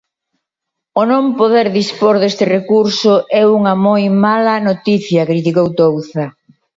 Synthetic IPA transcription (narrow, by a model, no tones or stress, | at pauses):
onõmpoðeɾðispoɾðest̪ɪrekuɾsʊʔɛuŋɐmojmalɐnot̪iθjɐkɾit̪ikowt̪owθɐ